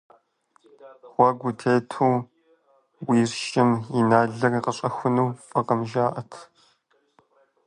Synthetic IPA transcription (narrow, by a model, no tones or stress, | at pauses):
ʁ̥ʷɐɡʷʊtʰeːtʰuː | wiːrʃɪmjɪnaːɮɐriːqəɕʼɐxʷʊnuːpʼɐqɐmʒaːʔɐtʰ